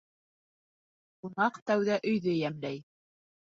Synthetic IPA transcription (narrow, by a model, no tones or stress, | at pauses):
qunɑqt̪æwðæʔɵ̆jðɘjæmlæj